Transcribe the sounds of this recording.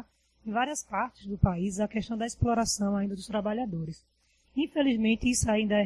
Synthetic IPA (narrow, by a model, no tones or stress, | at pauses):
ẽj̃vaɾiɐspaɾt̪ɪzd̪ʊpaizɐkɛʃt̪ɐ̃w̃d̪ɐisplɔɾasɐ̃w̃aĩnd̪ɐd̪ʊst̪ɾabaʎad̪oɾɪs | ĩfelizmẽnt̪ɪisʊaĩnd̪ɐɛ